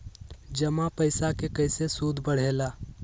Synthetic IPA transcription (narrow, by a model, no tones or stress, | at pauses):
d͡ʒɐmapəɪsakekəɪsesuːd̪ʱbəɽ̤eːlaː